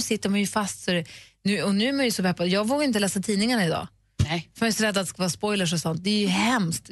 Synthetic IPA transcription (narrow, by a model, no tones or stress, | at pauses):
sɪt̪ːəɾmanjɵfast̪sɔɾɛnʉ̟ɔnʉ̟ːæɾmanjɵsɔpʰɛpːad̪jɑːɡvoːɡaɾɪnt̪̬əlɛːsat̪ʰiːnɪŋaɳaɪd̪ɑ̰ː | fɛɪsɔɾɛd̪ːat̪ːɛskavɑːɾspɔjləʂ̬ɔsɔnt̪̚d̪ɛɾjɵhɛmst̪